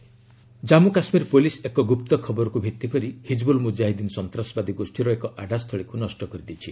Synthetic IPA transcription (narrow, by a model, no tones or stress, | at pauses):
d͡ʒamukasmiɾpulisekɔɡupt̪ɔkʰɔbɔɾɔkubʱit̪ːikɔɾihid͡ʒbulmud͡ʒaɦid̪inɔsɔnt̪ɾasɔbad̪iɡosʈiɾɔekɔʔaɖʱast̪ʰɔɭikunɔsʈɔkɔɾid̪it͡ʃʰi